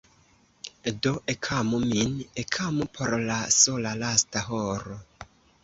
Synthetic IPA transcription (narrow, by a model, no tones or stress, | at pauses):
doekʰamuminekʰamupʰo̞ɾlasolalastaɦoɾo